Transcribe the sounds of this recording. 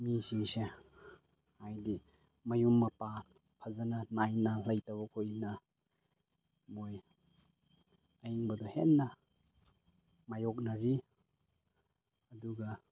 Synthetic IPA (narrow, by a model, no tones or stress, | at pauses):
misiŋse | hajdi | mɐjumːɐpa | pʰɐzɐnɐnajnɐlɐjtawbɐkʰojnɐ | moj | ɐjiŋbɐdɔhenːɐ | majok̚nɐɾi | ɐduɡɐ